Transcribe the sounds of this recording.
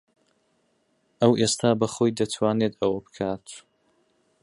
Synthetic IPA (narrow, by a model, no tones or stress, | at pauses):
ʔɐwʔest̪ʰaːbɐχoːjd̪ɐt̪ʰwaːneːt̪ɐwɐbɨ̥kʰaːt̪ʰ